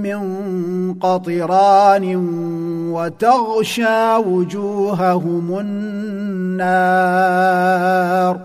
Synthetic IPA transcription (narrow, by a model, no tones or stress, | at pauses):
mɪŋqɑt̪ˤɨɾɑːnɪ | wat̪aɣʃaːwʊd͡ʒuːɦaɦʊmʊnː | aː | ɾ